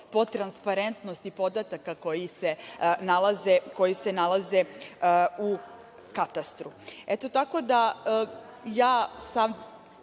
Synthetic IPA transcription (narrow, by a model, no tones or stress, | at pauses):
pot̪ɾanspaɾent̪nost̪ipo̞d̪at̪akako̞jisenalˠazeko̞jisenalˠaze̞ | u | kat̪ast̪ɾuet̪o̞t̪ako̞d̪a | jaːsam